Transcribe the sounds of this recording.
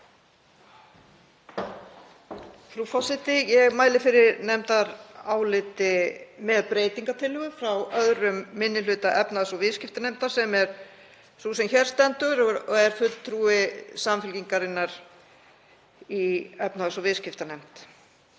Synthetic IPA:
θɾufɔsɪt̪ɪjɛɣmaːjlɪfɪɾɪɾnɛmt̪aɾaːwlɪt̪ɪmɛðpɾeːjt̪iŋkat̪ʰɪlhʏɣʏfɾawœðɾʏmːɪnːɪlʏːt̪aʔɛpnaðsɔvɪðscɪft̪anem̥t̪aɾ̥sɛmɛɾ̥ | suːsɛmçɛɾ̥st̪ɛnt̪ʏɾɔɛɾ̥fʏt̪t̪ʰɾuːɪsamfʏlciŋkaɾɪnːaɾ | iɛpnaðasɔvɪðscɪft̪anɛm̥t̪

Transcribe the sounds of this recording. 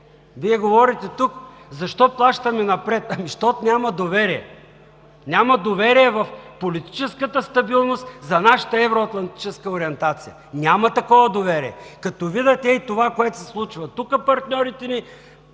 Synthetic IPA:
viɛɡovɔɾit̪ɛt̪uk | zɐʃt̪ɔplˠaʃt̪ɐmɛnɐpɾɛt̪ɐmiʃt̪ɔt̪nʲamɐd̪ovɛɾiɛ̰ | nʲamɐd̪ovɛɾiɛvɐfpolit̪i̥t͡ʃɛskət̪əst̪ɐbilˠnost̪zɐnaʃə̥t̪əɛvɾoɐt̪lˠɐnt̪i̥t͡ʃɛskəoɾiɛnt̪at̪sijə | nʲamɐt̪ɐkɔvɐd̪ovɛɾḭɛ̰kɐt̪ɔvid̪ɐt̪ɛit̪ovakoɛt̪sɛslˠut͡ʃvɐt̪ukəpɐɾt̪nʲɔɾit̪ɛni

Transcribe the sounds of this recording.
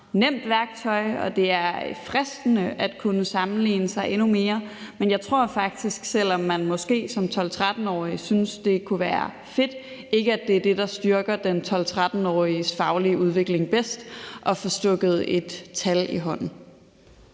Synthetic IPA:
nem̰d̥ʋæɐɡ̥t͡sʰɒ̽ɪɒ̽d̥e̝æɐe̥fʁɛsd̥ənəʔæd̥kʰunəsɑ̈mn̩lḭːnəsɑ̈ɪʔe̝nume̝ːɐmenjɑ̈ɪt͡sʰʁo̝ɐ̰fɑ̈ɡ̥̚d̥isɡ̥sel̰ɒ̽mːænmɒ̽sɡ̥e̝̰ːsɒ̽mt͡sʰɒ̽lt͡sʰʁad̥n̩ɒ̰ːisynsd̥e̝kʰuʋæːɐ | fe̝d̥ | e̝ɡ̥əæd̥e̝æɐd̥e̝d̥ɑ̈sd̥yɐɡ̥ɐd̥ent͡sʰɒ̽lt͡sʰʁad̥n̩ɒ̰ːisfɑ̈ʊliəʔuð̞ˠʋe̝ɡ̥le̝ŋb̥esd̥ʔɒ̽fɒ̽sd̥ɔɡ̥ð̞̩ˠe̝d̥t͡sʰæliɦɒ̽n̰n̩

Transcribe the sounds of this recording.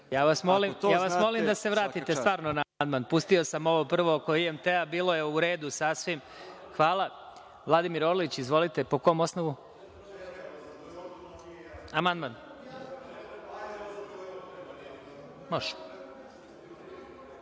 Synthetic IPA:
jaːʋasmolimjaːʋasmo̞limd̪ase̞ʋɾaːt̪it̪est̪ʋaːɾnonand̪manpust̪io̞samo̞ʋopr̩ʋokoiemt̪eabiːlˠo̞jeuɾe̞ːd̪usasʋim | xʋaːla | ʋlˠad̪imiɾoɾlit͡ɕizʋo̞lit̪e̞poko̞mo̞snoʋu | amand̪man | moʃ

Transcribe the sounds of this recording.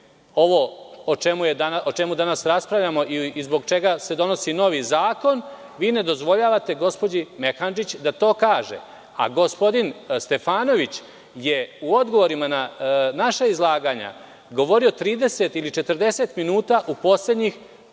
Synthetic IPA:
o̞ʋo̞ot͡ʃemujed̪aaot͡ʃe̞mud̪anasɾaspɾaʋʎʲamo̞ʔizboɡt͡ʃe̞ɡase̞d̪o̞no̞sino̞ʋizaːko̞n | ʋiːne̞d̪o̞zʋo̞ʎaːʋat̪e̞ɡo̞spo̞d͡ʑimexand͡ʒit͡ɕd̪at̪o̞ːkaːʒḛ | a̰ɡo̞spo̞d̪inst̪e̞faːno̞ʋit͡ɕ | je̞uo̞d̪ɡo̞ʋo̞ɾimananaʃaizlˠaːɡaːɲa̰ | ɡo̞ʋo̞ɾio̞t̪ɾiːd̪e̞set̪ilit͡ʃe̞t̪r̩d̪e̞se̞t̪minuːt̪aʔupo̞sle̞d̪ɲix

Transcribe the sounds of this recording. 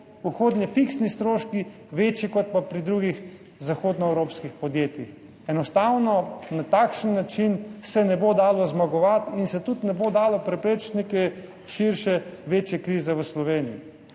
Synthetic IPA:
uxoːd̪njɛfiksnist̪ɾoːʃki | ʋeːt͡ʃikɔt̪̚papɾid̪ɾuɡix | zaxoːd̪nɔɛwɾoːpskixpɔd̪jeːt̪jix | ɛnɔst̪aːwnɔnat̪aːkʃənːat͡ʃinsɛnɛbod̪aːlɔzmaɡɔʋat̪insɛt̪ut̪nɛbod̪aːlɔpɾɛpɾeːt͡ʃnikɛ | ʃiɾʃɛʋeːt͡ʃjɛkɾiːzɛʋəslɔʋeːnijḭ

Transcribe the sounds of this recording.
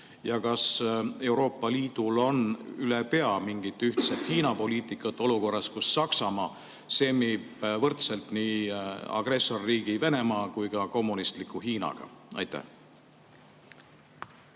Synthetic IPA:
jɑkɑse̞uwɾo̞ːpːˑɑliːd̪̥ulo̞nylepe̞ɑmiŋɡ̥it̪ːyht̪set̪hiːnɑpo̞liːt̪ˑikːˑɑt̪ːˑo̞luko̞rːɑskusːɑksɑmɑː | se̞mib̥vɤrt̪selt̪niːɑ̰ɡ̥re̞so̞rːiːɡive̞ne̞mɑːkujkɑko̞mːunist̪likːˑuɦiːnɑ̰ɡ̥ɑ̰ɑ̰jt̪ːæ̰h

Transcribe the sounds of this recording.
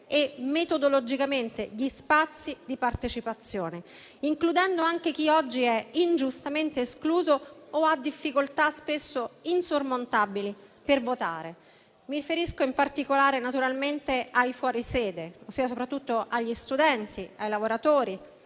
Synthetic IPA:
emet̪od̪olod͡ʒikament̪eʎispat̪sːid̪ipart̪et͡ʃipat̪sːjoːne | iŋklud̪ɛnd̪oaŋk̟ek̟iɔd͡ʒːiɛind͡ʒust̪ament̪eːskluːzoːad̪ːifːikolt̪aspesːoinsormont̪abili | pervot̪a̰ːɾe | miɾifeɾiskoimpart̪ikolaːɾenat̪uɾalment̪eajfwɔːɾisɛːd̪eosːiːasopɾat̪ːut̪ːoʔaʎːist̪ud̪ɛnt̪iajlavoɾat̪oːɾi

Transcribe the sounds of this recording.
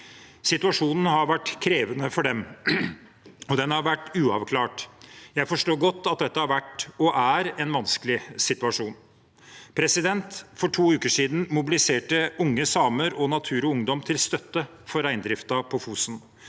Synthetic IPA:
sɪt̪ʉɑʂuːnn̩ɦɑɾʋæʈːkʰɾeːʋənəfɔɖɛm | ɔd̪ɛnhɑɾʋæʈːʉːɑʋkʰlɑːʈjæɪfɔʂʈoːɾɡɔt̪ːɑt̪̚d̪ɛt̪ːəhɑɾʋæʈːɔʔæɾɛnʋɑnskəlɪsɪt̪ʉɑʂuːn | pʰɾɛsɪd̪ɛnt̪fɔʈʰuːʉːkəʂiːd̪n̩mʊbɪlɪseːʈəʔʊŋːəsɑːməɾɔnɑt̪ʰʉːɾɔʊŋd̪ɔmt̪ʰɪlst̪œt̪ːə | fɔɾæɪnd̪ɾɪft̪ɑpʰɔfusn

